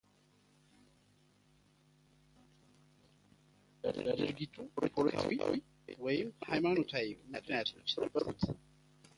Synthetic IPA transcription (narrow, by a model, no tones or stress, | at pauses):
ləd̪ɨɾɡit̪ʰuɾepʰoɾ̰t̪ʰwiw | wɔjɪmhajmano̞t̪ʰawimɨknijat̪ʰnsɨɾəbʼəɾut̪